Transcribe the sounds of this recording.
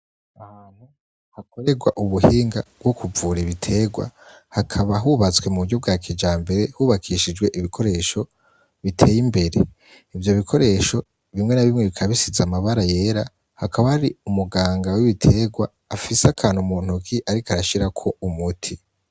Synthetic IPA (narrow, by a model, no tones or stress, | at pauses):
ahaːn̥hu | hako̞ɾe̞ɡwa̰ʔuβuhiːŋɡabɡo̞kuvuːɾiβitʰe̞ɡwa̰ | hakʰaβaɦuβat͡swe̞muβuɟo̞b̚ɡaːkʰid͡ʒaːmbe̞ɾe̞huːβakʰiʃid͡ʒɡwe̞ʔiβikʰo̞ɾe̞ːʃo̞ | βitʰe̞ːjimbe̞ɾe̞ | ivjo̞βikʰo̞ɾe̞ːʃo̞ | βimŋe̞naβimŋeβikʰaβisizamaβaɾaje̞ɾa | hakʰaβahaɾiumuɡaːŋɡawiβitʰe̞ːɡwaːfiseakʰaːnhumuːn̥ukiʔaɾikaɾaʃiɾakʰo̞umutʰi